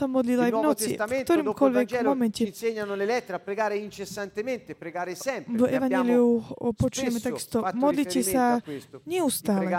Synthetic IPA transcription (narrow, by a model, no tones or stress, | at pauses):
samɔd̪lilajvnɔt͡sikt̪ɔɾiːmkɔʎʋɛɡmɔmɛncɛseɲːanolelɛt̪ːeɾapɾeɡaːɾeint͡ʃesːant̪ement̪epɾeɡaːɾesɛmpvɛʋaɲɛliupɔt͡ʃujɛmɛt̪aɡist̪ɔmɔd̪licɛsaɲɛust̪aːlɛ